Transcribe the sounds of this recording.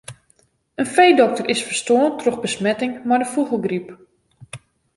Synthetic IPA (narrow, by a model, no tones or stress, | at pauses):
ənfejdɔk̚tərʔɪsfərstoəntroxbəsmɛtɪŋmajdəfuɣəlˠɡrip